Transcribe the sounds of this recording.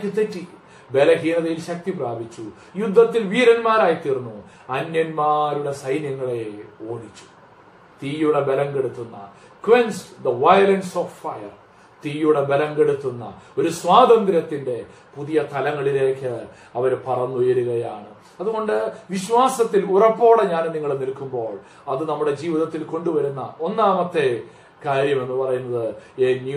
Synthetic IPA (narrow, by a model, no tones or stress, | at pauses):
kʲːɨt̪etːi | be̞lɐɣiːnɐðɐjilɕɐk̚t̪ipraːbit͡ɕːu | jud̪ʱːɐt̪ːilʋiːɾɐnmaːɾaːjit̪irnːu | ɐnjɐnmaːɾuɽe̞sɐjnjɐŋːɐɭe̞o̞ːɽit͡ɕːu̥ | t̪iːjuɽe̞belɐŋɡe̞ɽut̪ːunːɐ̰ | kwensd̪ɐʋɐjɐlenɖsoffɐjɐr | t̪iːjuɽe̞be̞lɐŋɡe̞ɽut̪ːunːɐ̰o̞ɾuswaːd̪ɐnd̪ɾɐt̪ːinde̞ | puðijɐt̪ɐlɐŋːɐɭile̞ːkːɨ | ɐʋɐɾpɐrɐnːujɐɾuɣɐjaːɳɨ | ɐðuɣo̞ɳɖɨʋiɕwaːsɐt̪ːilurɐpːo̞ːɽeɲaːnniŋːɐɭnilkumbo̞ːɭ | ɐðɨnɐmːuɽe̞d͡ʑiːʋiðɐt̪ːilko̞ɳɖuʋɐɾunːɐ̰ʔo̞nːaːmɐt̪ːe̞ | kaːɾjɐme̞nːɨpɐrɐjunːɐðɨeːnju